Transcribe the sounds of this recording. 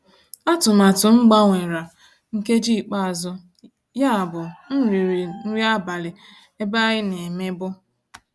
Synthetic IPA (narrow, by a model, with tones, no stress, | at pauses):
ɔ˦tʊ˨ma˨tʊ˨ŋ͡m̩˦ɡ͡ba˦ŋʷe˨ɾa˨ | ŋ̩˦ke˦d͡ʒi˦˨k͡pa˦a˨zʊ˦ | ja˦a˨bʊ˨n̩˦ɾn̩˦ɾi˦a˦ba˨lɪ˨ | e˦ba˦ɣɪ˦ne˨me˦bʊ˦